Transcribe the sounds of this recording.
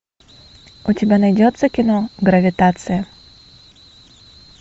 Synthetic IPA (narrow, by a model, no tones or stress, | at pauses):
ʊtʲɪbʲanɐjdʲɔt̪səkʲɪnoɡɾɐvʲɪt̪at̪sɨjɐ